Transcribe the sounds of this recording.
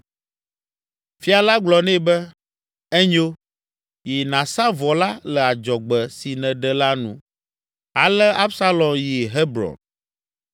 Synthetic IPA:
fi˦a˨la˦ɡ͡blɔ˨nɛ̃˦bɛ˦ | ɛ˦ɲo˦ | ji˨nã˨sa˦vɔ˨la˦lɛ˨a˨d͡ʒɔ˨ɡ͡bɛ˨si˨nɛ̃˨ɖɛ˨la˦nṵ̃˦ | a˨lɛ˦a˦bsa˦lɔ˨nji˨ɦɛ˦bɾɔ̰˨n

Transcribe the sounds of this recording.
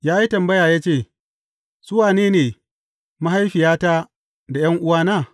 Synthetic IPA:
jaː˦ji˦tɐ˨mbɐ˦jaː˨jaː˦t͡ʃeː˦˨ | z̥ʊ˦waː˨neː˦neː˨ | ma˦ɦa˦jɸɪ˨jaː˦ta˦ | da˨jɐ˦ŋʔʊ˦waː˦naː˦˨

